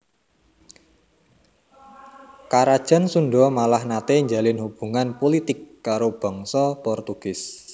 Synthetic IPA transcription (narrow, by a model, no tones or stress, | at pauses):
kaɾad̥ʒ̥a̤nsuɳɖɔmalahnat̪eɲd͡ʒalɪnhub̥ṳŋanpolit̪ɪkːaɾob̥ɔ̤ŋsɔpɔrt̪uɡ̥ɪs